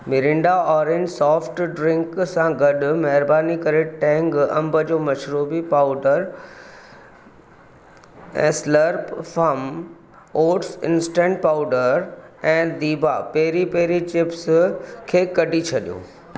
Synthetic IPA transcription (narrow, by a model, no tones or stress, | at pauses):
mɪɾɪ̃ɳɖaɔːɾẽnɖsɔːfʈɖɾɪ̃ŋksãɡɐɗmɐɦɪɾbaːnikɐɾeʈɛ̃ːŋɡɐ̰̃mbəd͡ʑoːmɐʃɾuːbipaːʊɖəɾ | ɛ̰̃ːsləɾpfɐm | oːʈsɪ̰̃nsʈɛ̃ːɳʈ̚paːʊɖəɾɛ̃ːd̪iːbʱapɛɦɾipɛɦɪɾit͡ɕɪpskʰeːkɐɖʱit͡ɕʰɐɗijõ̰ː